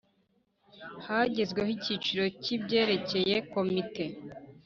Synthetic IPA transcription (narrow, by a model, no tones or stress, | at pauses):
haɟezɡwehicit͡ʃiɾo̞cibɟe̞ːɾe̞ce̞je̞ko̞mite̞